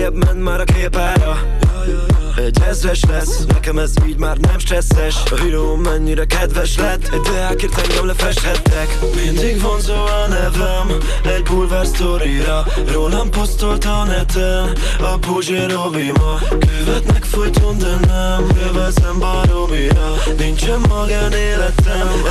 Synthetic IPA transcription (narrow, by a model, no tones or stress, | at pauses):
ɛbmɛnt̪maːɾɒkeːpaːɾɒ | ɛɟɛzvɛʃlɛsːnɛ̰kɛmɛziːɟmaːrnɛmʃɛsːɛʃɒɦyɾoːɛɲːiɾɛkɛd̪vɛʃlɛt̪ːd̪ɛaːkeːrt̪ɛŋɡɛmlɛfɛʃt̪hɛt̪ːɛk | mind̪iɡvo̞nzoːɒnɛvɛm | ɛɟbulvɛrst̪oɾiɾɒ | roːnɛmpost̪olt̪ɒnɛt̪ɛm | ɒboʒeɾovimɒ | køvɛt̪nɛkfojt̪ond̪ɛnːɛmkøvɛzɛmbaɾoviɾɒ | nint͡ʃɛmːɒɡaneːlɛt̪ɛm